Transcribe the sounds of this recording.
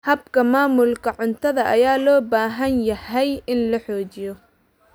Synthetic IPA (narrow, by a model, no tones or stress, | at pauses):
hɐbkʰɐmaːmʊlkʰɐʕʊnt̪ʰɐðɐʔɐjaːlɔːbaːɦɐnjɐhɛjʔɪnlɐħɔːt͡ʃɪjɔ